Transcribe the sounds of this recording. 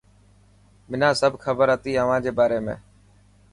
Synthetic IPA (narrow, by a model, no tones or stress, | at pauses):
mɪnãːsəbkʰəbəɾət̪iːəʋ̤ãːd͡ʒeːbaːɾeːmḛ̃ː